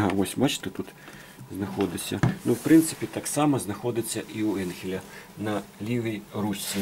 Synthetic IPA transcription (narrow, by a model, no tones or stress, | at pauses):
ɦɑʋɔsʲbɑt͡ʃɪ̥t̪ɛt̪ut̪ | znɐxɔd̪ɪsʲːɐnuwpɾɪnt̪sɪ̥pʲit̪ɑksɑmɐznɐxɔd̪ɪt͡sʲːɐʔiuɛnxʲɪlʲɐnɐlʲiʋʲijrusʲːi